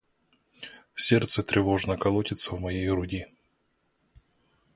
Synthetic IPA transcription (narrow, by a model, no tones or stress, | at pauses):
sʲert̪sət̪ɾʲʔɪvo̞ʐnəkɐlˠotʲɪt̪səvmɐjejɾʊdʲi